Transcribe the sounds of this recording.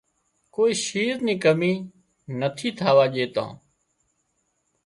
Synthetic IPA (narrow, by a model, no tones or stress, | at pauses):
koːiːʃiːɾnĩːkəmiː | nət̪ʰiːt̪ʰaːʋaːʄeːt̪ã̰ː